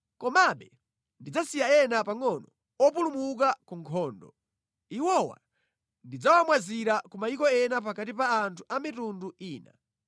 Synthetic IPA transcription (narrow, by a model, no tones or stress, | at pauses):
kɔmaɓɛ | ndid͡zasijaɛnapaŋɔnɔ | ɔpulumuk̬akuŋkʰɔːndɔ̰ | iwɔwa̰ | ndid͡zawamwaziɾakumaikɔɛnap̬akatipaːntʰuʔamitunduiːna̰